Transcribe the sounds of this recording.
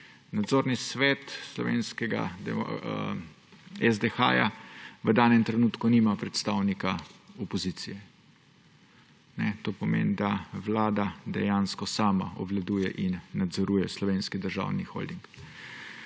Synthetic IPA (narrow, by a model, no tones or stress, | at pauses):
nad̪zoːɾnisʋɛt̪slɔ̰ʋḛːnskɛɡa̰d̪ɛ̰ | ɛzd̪ɛxa̰ːja̰ʋəd̪aːnɛmt̪ɾɛnuːt̪kunimapɾɛt̪st̪awnikaɔpɔzit̪sijɛ | nɛt̪oːpɔmḛːnd̪aʋlaːd̪ad̪ɛ̰jaːnskɔsaːma̰ɔ̰ʋlad̪uːjɛ̰ʔinːad̪zɔɾuːjɛslɔʋeːnskid̪əɾʒa̰wnixo̰ld̪iŋk